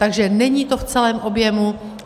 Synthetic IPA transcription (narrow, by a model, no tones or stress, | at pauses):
t̪aɡʒɛnɛɲiːt̪o̞ft͡sɛlɛːmʔo̞bjɛmu